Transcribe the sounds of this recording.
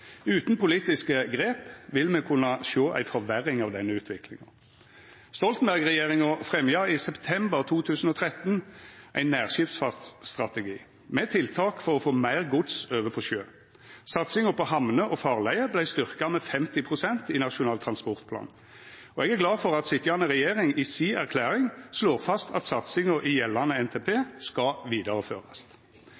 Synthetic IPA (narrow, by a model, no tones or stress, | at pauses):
ʉːt̪n̩pʊliːt̪ɪskəɡʁeːpʋɪlmɛkʰʉnːɑʃoːʔæ̰ɪfɔʋæɾɪŋɑʋd̪ɛnːəʉːt̪ʰʋɪkʰlɪ̰ŋɑ̰ | st̪ɔlt̪n̩bæʁɡʁɛjeːʁɪŋəfʁɛmjɑɪsɛpt̪ʰɛmbəʁt̪ʰuːt̪ʰʉːsn̩ɔt̪ʰʁɛt̪nʔæɪnːæːʁʃɪftsfɑʁt̪sst̪ʁɑt̪ɛɡḭː | mɛt̪ʰɪlt̪ʰɑːkfɔʁɔfoːmæɪʁɡʊd̪søːʋəpʰɔʃøː | sɑt̪sɪŋəpɔhɑmnəʔɔfɑːʁlæɪəblæɪst̪ʏʁkɑmɛfɛmt̪ɪpʰʁʊsɛnt̪ɪnɑʃʊnɑːlt̪ʰɾɑnspɔʁt̪pʰlɑ̰ːn | ɔɛɡæʁɡlɑːfɔʁɑt̪sɪt̪jɑnəʁɛjeːʁɪŋɪsiæʁkʰlæːʁɪŋsloːʁfɑst̪ʰɑ̰t̪sɑt̪sɪŋəʔɪjɛlːɑnəɛnt̪ʰepʰeːskɑʋiːd̪ɑʁəføːʁɑst̪